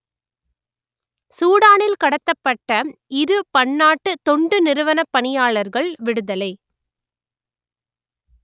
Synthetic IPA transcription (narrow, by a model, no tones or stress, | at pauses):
suːɽaːnɪlkɐɽɐt̪ːɐpːɐʈːɐɪɾɯpɐɳːaːʈːɯt̪ɔɳɖɯnɪɾɯʋɐnɐpːɐɳɪjaːɭɐɾɣɐɭʋɪɽɯðɐlɐɪ